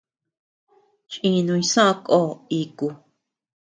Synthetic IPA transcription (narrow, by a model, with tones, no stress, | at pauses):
t͡ʃʔĩ˧nũ˧ĩ˧sã˦˧kʼo˦˨i˧˨ku˧˨